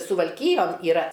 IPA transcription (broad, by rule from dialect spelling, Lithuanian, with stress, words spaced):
sʊʋɐlʲˈkʲiːjoːn iːˈrɐ